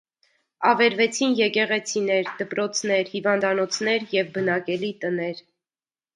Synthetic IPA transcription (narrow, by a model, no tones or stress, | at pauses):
ɑvɛɾvɛt͡sʰinjɛkɛʁɛt͡sʰinɛɾd̪əpɾɔt͡sʰnɛɾhivɑnd̪ɑnɔt͡sʰn̪ɛɾjɛvbənɑkɛlit̪ənɛɾ